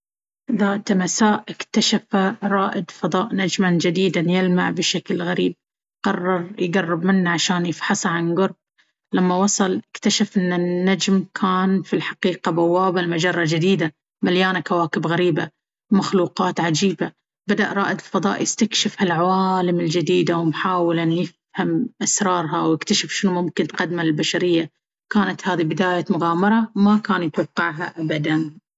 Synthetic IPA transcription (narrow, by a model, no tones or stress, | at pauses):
ðaːt̪masaːʔʔɪkt̪aʃafaɾˤɑːʔɪd̪fɑd̪ˤɑːʔnad͡ʒmand͡ʒɪd̪iːd̪anjɪlmaʕbɪʃaklɣaɾiːb̚ | qɑrˤːɑɾˤjɡarˤːɪbmɪnːaʕaʃaːnjɪfħɑsˤɑʕanɡʊɾˤb̚ | lamːawɑsˤɑlʔɪkt̪aʃafʔɪnːanːad͡ʒmkʰaːnfilħaqiːqabawːaːbalmad͡ʒɑrˤːɑd͡ʒɪd̪iːd̪a | maljaːnakawaːkɪbɣaɾiːba | maxluːqɑːt̪ʕad͡ʒiːba | bad̪aʔɾˤɑ̰ːʔɪd̪lfɑðˤɑ̰ːʔjɪst̪akʃɪfhalʕawaːlɪmɪld͡ʒɪd̪iːd̪awɪmħaːwɪlanjɪf | hamʔasɾˤɑːɾˤɦawjɪkt̪aʃɪfʃɪnmʊmkɪnt̪qad̪malɪlbaʃaɾɪjːa | kaːnat̪haːðibɪd̪aːjamʊɣaːmɑɾˤɑmakaːnjɪt̪wɑqːɪʕɦa̰ʔabad̪an